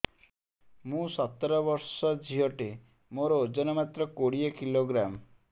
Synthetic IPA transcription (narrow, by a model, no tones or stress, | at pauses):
mũsɔt̪ːɔɾɔbɔɾsɔd͡ʒʱiɦɔʈe | moɾɔd͡ʒɔnɔmat̪ɾɔkoɽiekiloɡɾam